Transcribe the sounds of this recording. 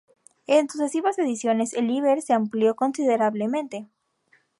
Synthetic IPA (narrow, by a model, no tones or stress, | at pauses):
ensuse̞siβase̞ðisjo̞ne̞seliβeɾseampljo̞ko̞nsiðe̞ɾaβle̞mẽ̞nt̪e̞